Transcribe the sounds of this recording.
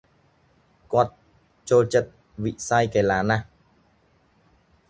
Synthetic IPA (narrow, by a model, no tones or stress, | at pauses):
kɔt̪̚ | t͡ɕoːt͡ɕət̪̚ | vḭʔsajkalaːna